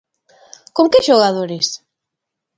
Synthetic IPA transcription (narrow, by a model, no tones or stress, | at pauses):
koŋkɪʃoɣaðoɾes